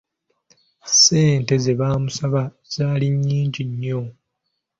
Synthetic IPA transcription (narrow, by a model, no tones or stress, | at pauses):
se̞ːnte̞zeβaːmusaβa | z̥aːliɲːiːɲɟiɲːo